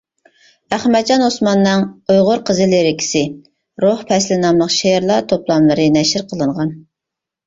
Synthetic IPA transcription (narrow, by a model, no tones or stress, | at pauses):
æχmɛd̪̚d͡ʒɑnosmɑnːɨŋojʁʊɾqʰəzɨleɾɪkʲʰi̥sɪ | ɾohpʰɛslɪnɑmlˠəqʃeɾlˠɑt̪ʰoplˠɑmlˠɨɾɨnɛʃɪɾqʰəlˠɨɴʁɑn